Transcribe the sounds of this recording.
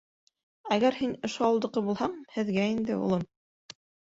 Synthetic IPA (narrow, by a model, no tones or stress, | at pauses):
æɣæɾhinŏʃoɑwlˠd̪ɤ̆qɤbulˠhɑɴhɘ̆ðɡæind̪ɘ̰ṵlˠɤm